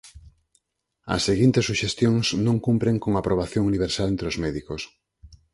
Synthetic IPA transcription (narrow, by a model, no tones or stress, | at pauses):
ɐ̰sːeɣint̪esuʃest̪joŋsnõŋkumpɾeŋkoŋapɾoβ̞aθjoŋuniβ̞eɾsalent̪ɾeozmɛðikos